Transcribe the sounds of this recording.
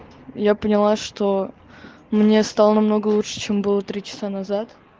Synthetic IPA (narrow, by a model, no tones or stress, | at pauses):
japənʲɪlˠaʂt̪o | mnʲe̞st̪alˠənɐmno̞ɡəlˠuʂɨ̥t͡ɕembɨlˠət̪ɾʲit͡ɕɪ̥sanɐzat̪